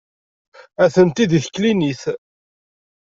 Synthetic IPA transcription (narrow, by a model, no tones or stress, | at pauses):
æθənt̪id̪iθkliniθ